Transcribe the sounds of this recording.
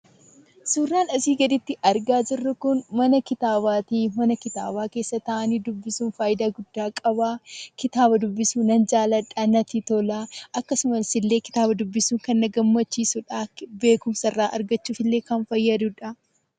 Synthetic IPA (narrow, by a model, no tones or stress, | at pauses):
suːrːaːnɐsiːɡɐd̪ɪt̪ːɪʔɐɾɡaːd͡ʒɪrːɐkʊnmɐnɐkɪt̪aːbaːt̪iːmɐnɐkɪt̪a̰ːbaːke̞ːsːɐt̪ɐʔɐniːd̪ʊbːɪsuːnfaːjɪd̪aːɡʊd̪ːaːkʼɐbaːkɪt̪aːbɐd̪ʊbːɪsuːnɐnd͡ʒaːlɐᶑɐnɐt̪iːt̪ɔlaːʔɐkːɐsʊmɐlsɪlːe̞ːkɪt̪aːbɐd̪ʊbːɪsuːŋkɐnːɐɡɐmːɐt͡ʃːiːsʊᶑaːbe̞ːkʊmsɐrːaːʔɐɾɡɐt͡ʃːuːfɪlːe̞ːkɐnfɐjːɐd̪uᶑɐ